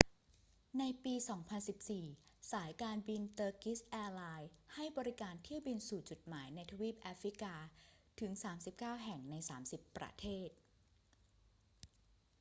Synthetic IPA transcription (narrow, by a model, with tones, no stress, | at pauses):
na˧jpiː˧sɔː˩˦ŋpʰa˧nsi˨˩p̚siː˨˩saː˩˦jkaː˧nbi˧nt̪ɤː˧ki˦˥sʔɛː˧laː˧jha˥˩jbɔː˧ɾi˦˥kaː˧nt̪ʰi˥˩əwbi˧nsuː˨˩t͡ɕu˨˩t̪̚maː˩˦jna˧jt̪ʰa˧wiː˦˥˩p̚ʔaː˦˥fɾi˦˥kaː˧t̪ʰɯ˩˦ŋsaː˩˦msi˨˩p̚kaː˥˩wɦɛ˨˩ŋna˧jsaː˩˦msi˨˩pːɾa̰˧t̪ʰeː˥˩t̪̚